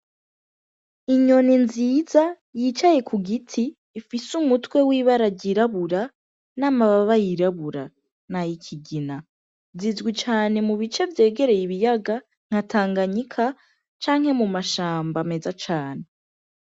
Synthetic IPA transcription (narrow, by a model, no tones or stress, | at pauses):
iɲo̞ninziːza | jit͡ʃaje̞kʰuɡitʰiː | fisumutwe̞wiːβaɾaɟiɾaβuɾa | naːmaβaβajiɾaβuɾa | najikʰiɡina | zizɡwit͡ʃaːne̞muβit͡ʃe̞vje̞ːɡe̞ɾe̞jiβijaɡa | ŋ̥hataːŋɡaɲikʰa | t͡ʃaːŋ̥he̞mumaʃaːmbame̞zat͡ʃaːne̞